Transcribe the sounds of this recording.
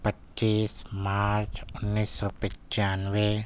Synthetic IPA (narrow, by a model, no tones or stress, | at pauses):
pətːiːsmaːɾt͡ʃʊnːiːsːɔpɪ̃t͡ʃaːnʋe